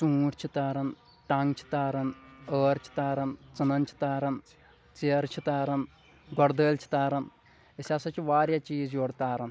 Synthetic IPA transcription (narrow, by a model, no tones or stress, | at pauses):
sũːʈt͡ʃʰit̪aːɾɐn | ʈɐŋɡt͡ʃʰi̥t̪aːɾɐnəːɾt͡ʃʰi̥t̪aːɾɐnt͡sɨnɐnt͡ʃʰi̥t̪aːɾɐn | t͡siɐɾt͡ʃʰit̪aːɾɐn | ɡɔɾd̪əːlt͡ʃʰi̥t̪aːɾɐn | isʲasɐt͡ʃiʋaːɾjat͡ʃiːzjoɽt̪aːɾɐn